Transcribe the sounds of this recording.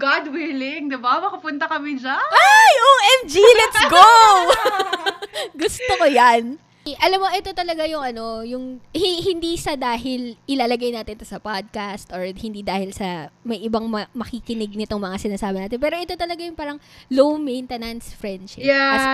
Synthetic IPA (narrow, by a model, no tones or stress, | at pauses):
ɡad̪wɪlɪŋd̪ɛbamɐkʊpʊnt̪ɐkɐmɪd͡ʒanajʔoʔɛmd͡ʒilɛt̪sɡow | ɡʊst̪okojɐn | ʔɐlamːoʔɛt̪o̞t̪ɐlɐɡajʊŋɐno̞jʊŋhiɦɪnd̪isɐd̪aːɦɪlʔɪlaːlɐɡajnaːt̪ɪnt̪osɐpad̪̚kast̪ʔoɹhɪnd̪iːd̪aːhɪlsɐmɐjʔɪbaŋmɐmɐkikɪnɪɡ̚nɪt̪o̞ŋmɐŋasɪnaːsaːbɐnaːt̪ɪnpɛːɾo̞ʔɛt̪o̞t̪ɐlɐɡajʊŋpaːɾɐŋlowmejnt̪ɛnɐnsfɹɛnd̪ʃɪa